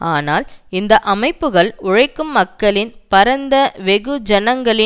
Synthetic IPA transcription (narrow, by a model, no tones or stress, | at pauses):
aːnaːlɪnd̪ɐʔɐmɐɪpːɯɣɐɭʊɻɐɪkːɯmːɐkːɐɭɪnpɐɾɐnd̪ɐʋɛɣɯd͡ʒɐnɐŋɡɐɭɪ